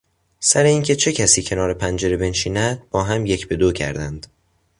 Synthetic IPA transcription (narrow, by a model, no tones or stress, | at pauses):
sæɾe̞iːncʰe̞t͡ʃʰe̞cʰæsiːcʰe̞nɒːɾe̞pʰænd͡ʒe̞ɾebe̞nʃiːnæd̪̥̚bɒːɦæmje̞cʰbe̞d̪ocʰæ̰ɾd̪ænd̪̥